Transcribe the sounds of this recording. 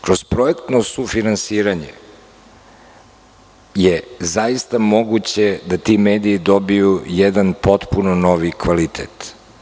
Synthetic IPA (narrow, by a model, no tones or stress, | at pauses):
kɾozpɾoekt̪no̞sufinansiːɾaɲḛ | jezajist̪amo̞ɡut͡ɕed̪at̪imeːd̪iːd̪o̞bijujɛd̪anpo̞t̪punono̞ʋikʋalit̪ʰḛt̪